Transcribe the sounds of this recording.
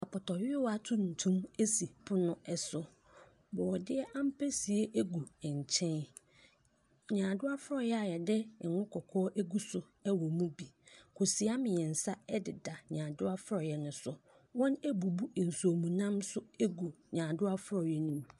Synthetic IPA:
a˨pʰɔ˨tʰɔ˨ɥɪ˦wa˦tʰʊ̃˦n̩˨tʰũ˦me˦si˨pʰʊ˦nʊ̃˦ɛ˦sʊ˨ | bɔ˨ɔ˨dɪ˦ɛ˦ʔã˦m̩˦pʰɛ˦si˨e˦ʔe˦ɡu˨ɛ̃˨ɲ˨t͡ɕʰɛ̃˦n˨ | ɲãː˨dʊ˦a˦fʊ˦ɾɔ˨jɛ˦a˨jɛ˨dɛ˦˨ŋʊ̃˦kʰɔ˨kʰɔː˦ʔe˦ɡu˦sʊ˨ | ɛ˦wɔ˨mũ˦bi˨kʰo˨si˨a˦mɪ̃˨jɛ˨n̩˨sa˦ɛ˦dɪ˨da˨ɲãː˨dʊ˦a˦fʊ˦ɾɔ˨jɛ˨nʊ̃˨sʊ˨ | wɔ̃˦ne˦bu˨bu˦˨n̩˨so˨mũ˨nã˦msʊ˦e˦ɡu˨ɲãː˨dʊ˦a˦fʊ˦ɾɔ˨jɛ˦nĩ˦˨m

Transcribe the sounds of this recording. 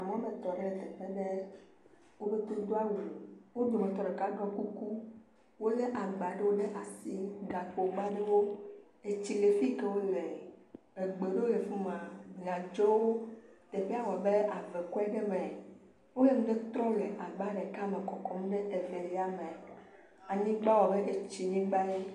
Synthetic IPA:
a˨mã˦mẽ˨t̪ɔ˨ɖe˦le˨t̪ɛ˨ɸe˦ɖe˦ | wo˦be˦t̪o˦d̪o˦a˦wu˨wo˦d̪o˨mẽ˨t̪ɔ˨ɖe˨ka˦ɡɔ̃˦ku˦ku˦ | wo˦le˦ʔa˨ɡ͡ba˨ɖe˦wo˦ɖe˦ʔa˨si˦ɡa˨k͡po˨ɡ͡ba˦ɖe˦wo˦ | e˨t͡ɕi˦le˨fi˦ke˦wo˦le˨ | e˨ɡ͡be˨ɖe˦wo˦e˨fu˦mã˨ɡa˨d͡ʒɔ˦wo˦t̪e˨ɸe˦a˦wɔ˨be˦a˨ve˨kɔ˦ɛ˦ɖe˦mẽ˨ | wo˦le˦ŋũ˦ɖe˦t̪ɾɔ̃˦le˨ʔa˨ɡ͡ba˦ɖe˨ka˦mẽ˨kɔ˨kɔ˦mũ˦ɖe˦ʔe˨ve˨le˨˦a˦mẽ˨ | a˨ɲĩ˦ɡ͡ba˦wɔ˨be˦ʔe˨t͡ɕi˨ɲĩ˦ɡ͡ba˦e˦

